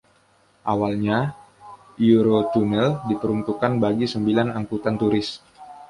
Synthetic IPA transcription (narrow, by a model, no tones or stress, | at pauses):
ʔawalɲa | iuɾot̪unɛldipəɾunt̪ukanbaɡisəmbilanaŋkut̪ant̪uɾɪs